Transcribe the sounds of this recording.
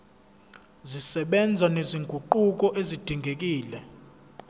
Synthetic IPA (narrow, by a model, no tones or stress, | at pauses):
zisɛɓɛnd͡zʱaneziŋɡʱuǃuk̬ʼɔʔezid̥ʱiŋɡʱek̬ʼiːlɛ